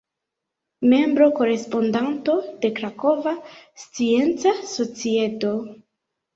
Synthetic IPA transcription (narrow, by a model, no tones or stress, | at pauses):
me̞mbɾo̞ko̞ɾe̞spo̞ndanto̞de̞kɾako̞vast͡sie̞nt͡saso̞t͡sieto̞